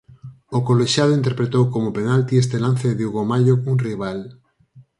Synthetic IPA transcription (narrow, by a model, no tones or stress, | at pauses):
okoleʃjað̞oint̪̬eɾpɾet̪owkomopenalt̪iest̪elan̟θeðuɣomaʎounriβ̞al